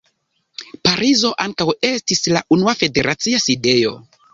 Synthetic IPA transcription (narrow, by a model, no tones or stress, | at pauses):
paɾizo̞ʔaŋkawe̞stislaʔunuafe̞de̞ɾʔat͡siaside̞jo̞̰